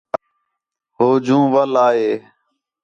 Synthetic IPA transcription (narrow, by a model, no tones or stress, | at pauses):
ɦoːd͡ʒũːʋəlaːɦeː